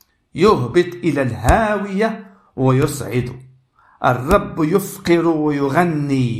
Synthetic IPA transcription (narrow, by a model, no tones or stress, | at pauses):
jʊɦbɪt̪ˤʔɪlalɦaːwɪja | wɪjʊsˤʕɪd̪ʊ | ʔɑ̰rˤːɑbːjʊfqɪɾwajʊɣanːiː